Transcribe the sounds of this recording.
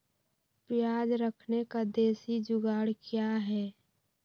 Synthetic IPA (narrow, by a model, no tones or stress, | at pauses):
pɪjaːd͡ʒɾəkʰnekad̪eːsid͡ʒʊɡaːɽkjaɦɛː